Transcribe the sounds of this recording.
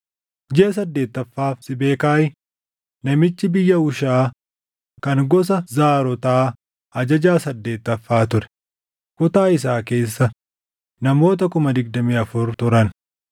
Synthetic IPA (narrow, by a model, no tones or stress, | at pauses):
d͡ʒeːs̬ɐd̪ːe̞ːt̪ːɐfːaːfsɪbe̞ːkaːʔɪ | nɐmɪt͡ʃːɪbɪjːɐʊʃaː | kɐŋɡɔs̬ɐzaːɾɔt̪aː | ɐd͡ʒɐd͡ʒaːsɐd̪ːe̞ːt̪ːɐfːaːt̪ʊɾɛ̥ | kʊt̪aːɪs̬aːke̞ːsːɐ | nɐmo̞ːt̪ɐkʊmɐd̪ɪɡ̚d̪ɐmiːɐfʊɾt̪ʊɾɐn